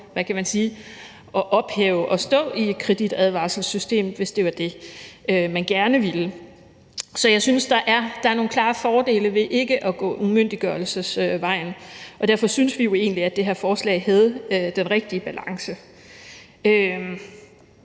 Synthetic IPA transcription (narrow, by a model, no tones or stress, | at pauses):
ʋækʰæmænsiː | ʔɒ̽ʔɒ̽b̥heːʊəʔɒ̽sd̥ɔ̰̽ːie̝d̥kʰʁɛd̥id̥æð̞ˠʋɑ̰̈ːsl̩sysd̥e̝̰ːmʋe̝sd̥e̝ʋɑ̈d̥e̝ømænɡ̥æɐnəʋilə | sɒ̽jɑ̈ɪsynsd̥ɑ̈ʔæɐd̥ɑ̈æɐno̝ːnkʰlɑ̈ːfɒːd̥e̝̰ːləʋe̝ʔe̝ɡ̥əʔɒ̽ɡ̥ɔ̰̽ːumøn̰d̥iɡ̥ɶɐl̩səsøʋɑ̈ɪ̰nʔɒ̽d̥æɐ̰fɒ̽synsʋijo̝e̝ːn̩liæd̥e̝ɦæɐfɒːslɛ̰ɪhæð̞̩ˠd̥enʁeɡ̥̚d̥iəb̥ælɑ̈ŋsə | ø